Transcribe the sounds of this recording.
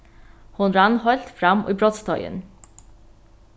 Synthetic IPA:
hʊnɾænhɑlt̪fɾæm̰iːbɾɔt̪st̪ʰœʏə̰n

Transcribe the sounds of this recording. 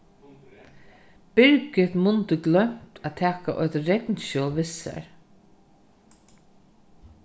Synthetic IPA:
b̥ɪɾkɪt̪mʊnt̪əɡlœm̥t̪ʰæːt̪ʰæːkaʔɔʏt̪ɾɛt̪nʃɔːʋɪsa̰ɹ

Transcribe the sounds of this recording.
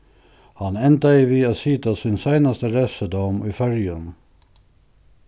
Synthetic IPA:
hɑnɛnt̪ɑɪʋiːasiːt̪asinsæɪnɑst̪əɾɛsəd̪ɔmiːfœɾjən

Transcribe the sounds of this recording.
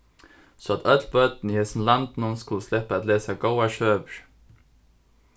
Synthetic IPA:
sɔɑt̪ʰœt̪ʰlbœd̪n̩ihɛsn̩lɑnd̪nuːnskʊləslɛpəɑt̪leːsaɡoʊaʃøːʋəɾ

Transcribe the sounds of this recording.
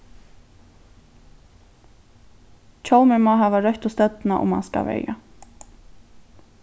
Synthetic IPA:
t͡ʃʰowmɛmaɦaːvaɾœht̪ʊst̪ɛt̪naʔʊ̰mha̰nska̰vɛ̰jja

